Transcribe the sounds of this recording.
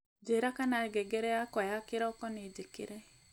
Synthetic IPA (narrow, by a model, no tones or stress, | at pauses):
d͡ʒeɾakanaɡɛɡɛɾɛakɔjakɪɾɔkɔned͡ʒekɪ̰ɾe